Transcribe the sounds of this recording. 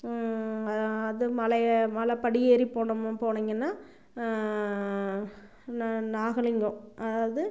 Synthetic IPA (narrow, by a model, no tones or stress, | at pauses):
ɐɐðɯmɐlɐmɐlɐpɐɽɪjeːɾipoːɳɐmpoːɳeːŋɡɐnːaː | nnaːɣɐɭɪŋɡʊ̃ʔɐðaːʋɐðɯ